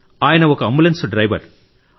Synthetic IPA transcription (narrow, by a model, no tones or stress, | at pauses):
aːjnɐʋɔkːɐmbulɐnsɖɾɐɪʋɐ̰ɾ